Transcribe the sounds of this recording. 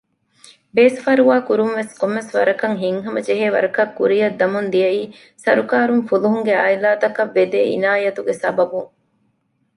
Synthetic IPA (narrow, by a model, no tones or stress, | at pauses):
beːsfɐɾuʋaːkuɾumʋeskomːesʋɐ̰ɾɐkɐŋɦiŋɦɐmɐd͡ʒeɦeːʋɐ̰ɾɐkɐkːṵɾijɐd̪ːɐmund̪ijɐiː | sɐɾukaːɾuŋfuluɦuŋɡeaːjlaːt̪ɐkɐʋːed̪eːḭnaːjɐt̪uɡesɐbɐbuŋ